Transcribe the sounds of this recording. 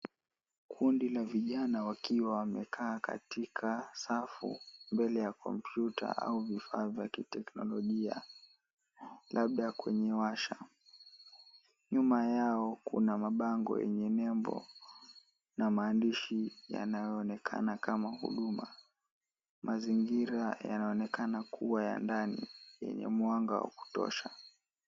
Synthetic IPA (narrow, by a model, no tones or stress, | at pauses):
kʰundilaviʄanawakiwawamɛkʰaːkʰa̰tikʰasafṵmbɛlɛjakʰɔ̰mpʰjutʰa̰ʔa̰uvifaːvjakitɛknɔlɔʄia̰ | lʔaɓ̚ɗakwɛɲɛwaʃa | ɲumajaɔkṵnamaɓaŋɡɔ̰jɛɲɛnɛmbɔ̰ | namaːndiʃija̰najɔːnɛkʰa̰nakamahṵɗuma | mʔaziŋɡiɾajanaɔnɛkanakʰuwaja̰ndanḭjɛ̰ɲɛ̰mwaŋɡawa̰ku̥tɔ̰ʃa